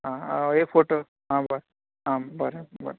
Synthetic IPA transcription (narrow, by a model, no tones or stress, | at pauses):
ɦãekfʰoʈo | ɦãbəɾ | ɦãbəɾebə̰ɾ